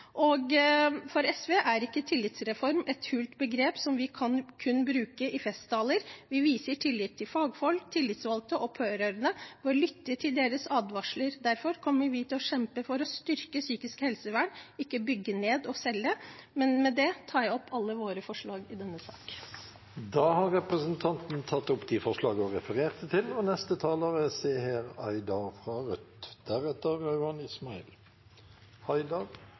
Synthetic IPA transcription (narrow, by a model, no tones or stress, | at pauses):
ʔɔɡfɔɾɛsʋeːʔæɾɪkːət̪ʰɪlːɪt̪sɾɛfɔɾmɛt̪hʉːlt̪bəɡɾeːpsɔmʋɪkʰɑnkʰʉnːbɾʉːkəʔɪfɛst̪ɑːləɾʋɪʋiːsəʈʰɪlːɪt̪ʰːɪlfɑːɡfɔlkt̪ʰɪlːɪt̪sʋɑlt̪əʔɔpʰøːɾɑɾənəʋɔɭʏt̪ːəʈʰɪld̪eːɾəsɑːd̪ʋɑʂɭəɾd̪æɾfɔɾkʰɔmːəʋɪt̪ʰɪlɔʃɛmpəfɔɾɔst̪ʏɾkəsyːkɪskhɛlsəʋæɳɪkːəbʏɡːəneːd̪ɔsɛlːəmɛnmɛd̪ɛt̪ʰɑːjæɔpʰːɑlːəʋoːɾəfɔʂɭɑːɡɪd̪ɛnːəsɑ̰ːk | d̪ɑːhɑʁɛpʁəsənt̪ʰɑnt̪n̩t̪ʰɑt̪ːɔpːd̪ifɔʁʂlɑːɡəɔʁɛfəʁeːʁt̪ət̪ʰɪlɔnɛst̪ət̪ʰɑːləʁəseːheːʁæ̰ɪd̪ɑfʁɑʁʉt̪d̪̥æʁɛt̪ːəʁːɑʉɑnɪsmɑɪ̰l | hɑɪd̪ɑʁ